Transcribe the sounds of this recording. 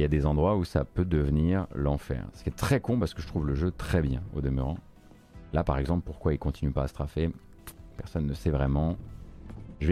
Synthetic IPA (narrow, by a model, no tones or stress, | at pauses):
ljad̪ezɑ̃d̪ʁwausa̰pød̪əvniʁlɑ̃fɛ̰ːʁsə̥kʲɛt̪χɛkɔ̃paʁsəkəʒət̪χuvləʒøt̪χɛbjɛ̃o̰d̪əmyʁɑ̃ | lapaʁɛɡzɑ̃plpuʁkwailkɔ̃t̪inypaːsə̥t̪χafe | pɛʁsɔnːəsɛvʁɛmɑ̃ | ʒəv